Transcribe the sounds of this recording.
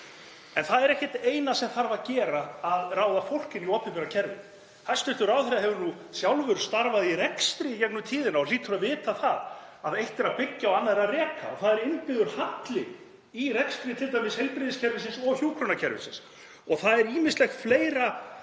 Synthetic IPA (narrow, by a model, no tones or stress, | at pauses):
ɛnθaðɛɾɛhcɪt̪eːjnasɛmθaɾvaðcɛːɾaːðraːwðafowl̥cɪniɔːpɪmpɪɾacʰɛɾvɪ̰ | θast̪ʏht̪ʏɾawθɛɾaɦɛvʏɾnu | sjawlvʏɾ̥st̪aɾvaðirɛkst̪ɾicɛknʏt̪ʰiːðɪnaɔliːt̪ʰʏɾavɪːt̪aθaðaðejht̪ɛɾaðpɪcːaɔanːaðɛɾarɛːkʰa̰ɔθaðɛɾɪnpɪðʏɾ̥hat̪lɪ | irɛkst̪ɾit̪ʰɪlt̪ajmɪshejlpɾɪðɪscʰɛɾvɪsɪnsɔɣçjuːkʰɾonacʰɛɾvɪ̰sɪ̰ns | ɔɣθaðɛɾiːmɪnst̪lɛxfleːjɾa